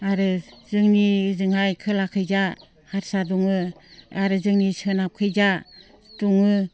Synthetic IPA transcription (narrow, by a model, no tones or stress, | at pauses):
aɾɯzɯŋnizɯŋhajkʰɯlakʰɯjza | haɾsadɔŋɯaɾɯzɯŋnisɯnap̚kʰɯjza | duŋɯ